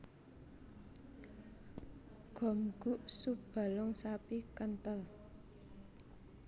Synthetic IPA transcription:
ɡ̥ɔ̤mɡ̥ṳʔsub̥a̤lʊŋsapikənt̪əl

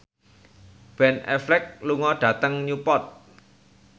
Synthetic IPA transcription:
b̥ɛnɛ̰flɛk̚luŋɔɖ̥a̤t̪əŋɲupɔt̪̚

